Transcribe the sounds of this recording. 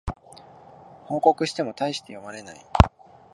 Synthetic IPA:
hõ̞ːko̞kɯ̟ɕi̥t̪e̞mo̞t̪aiɕi̥t̪e̞jo̞maɾe̞na̰i

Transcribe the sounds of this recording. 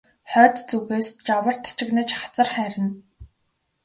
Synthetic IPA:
χœːt̪t͡suɣeːst͡ɕawə̆r̥t̪ʰḁt͡ɕɪ̆knə̆t͡ɕχḁt͡sə̆rχæːɾʲɪ̆n

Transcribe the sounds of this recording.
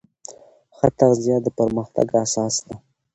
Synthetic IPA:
xət̪aɣzjɑd̪əpəɾməxt̪a̰ɡasɑsd̪a

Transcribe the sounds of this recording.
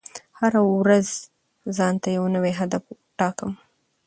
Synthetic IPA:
haɾawɾaz | zɑnt̪ajawnəweɦad̪af | ʈɑkəm

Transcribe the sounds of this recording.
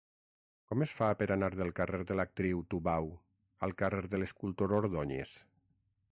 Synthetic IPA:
kɔmesfapeɾanaɾðelˠkareɾðelak̚t̪ɾiwt̪uβaw | a̰lˠkareɾðeleskulˠt̪oɾoɾðɔɲḛs

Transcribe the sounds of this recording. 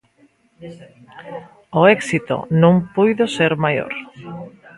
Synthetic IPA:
oɛksit̪o̰nõŋpujðoseɾmajo̰ɾ

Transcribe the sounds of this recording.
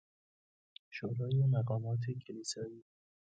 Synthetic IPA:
ʃoɾɒːjemæɢɒːmɒːt̪ʰecʰeliːsɒːiː

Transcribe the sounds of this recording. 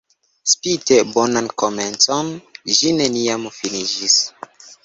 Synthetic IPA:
spitebonankoment͡sonʒineniamfinid͡ʒis

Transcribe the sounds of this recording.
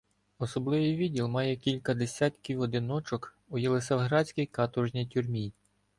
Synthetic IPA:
ɔsɔblˠɪʋɪjʋʲidʲilˠmɑjɛkʲilʲkɐd̪esʲɑt̪ʲkʲiwɔd̪ɪnɔt͡ʃɔk | ujelˠesɐwɦɾɑsʲkɪjkɑt̪ɔʒnʲijtʲurmʲij

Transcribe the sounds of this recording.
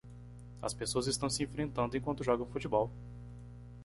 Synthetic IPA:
ɐ̰spesoɐzɪst̪ɐ̃w̃sɪẽfɾẽnt̪ɐ̃nd̪ʊẽkwɐ̃nt̪ʊʒɔɡɐ̃w̃fut͡ʃibɔw

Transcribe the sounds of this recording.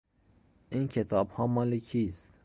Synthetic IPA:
incʲʰet̪ʰɑːbhɒːmɑːlekʰist̪

